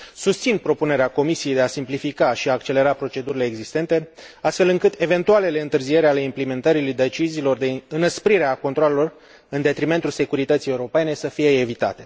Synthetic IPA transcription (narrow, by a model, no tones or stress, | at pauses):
sust̪sinpɾo̞pune̞ɾeako̞misijejd̪easimplifikaʃiaːkt͡ʃe̞le̞ɾapɾo̞t͡ʃe̞d̪uɾile̞ːɡzist̪e̞nt̪e̞ | ast̪fe̞lɨŋkɨt̪e̞ve̞nt̪uale̞le̞ɨnt̪ɨrzije̞ɾeale̞implime̞nt̪əɾilujd̪e̞t͡ʃiziːlo̞rd̪e̞ɨnəspɾiɾeako̞nt̪ɾoale̞lo̞r | ɨnd̪e̞t̪ɾime̞nt̪ulse̞kuɾit̪ət̪sije̞wuɾo̞pe̞ne̞səfije̞ːvit̪a̰t̪e̞̥